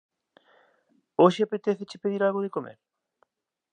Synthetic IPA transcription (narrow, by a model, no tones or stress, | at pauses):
oʃɪapet̪eθet͡ʃɪpeðiɾalɣoðekomḛɾ